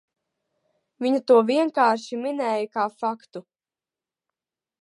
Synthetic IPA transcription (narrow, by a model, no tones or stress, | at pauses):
viɲut̪uɔviɛŋkaːɾʃiminɛːjəkaːfakt̪u